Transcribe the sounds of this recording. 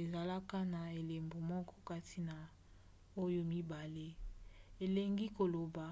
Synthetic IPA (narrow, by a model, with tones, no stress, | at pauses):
e˨za˨la˦ka˦na˨e˨le˨mbo˨mɔ˦kɔ̥˦ka˦tʰi˦na˨ | o˦jo˦mi˦ba˨le˦e˨le˨ŋɡi˦ko˨lo˨ba˨